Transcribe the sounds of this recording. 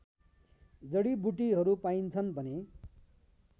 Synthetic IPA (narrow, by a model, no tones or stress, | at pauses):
d͡zʌɽibuʈiɦʌɾupaint͡sʰʌnbʱʌne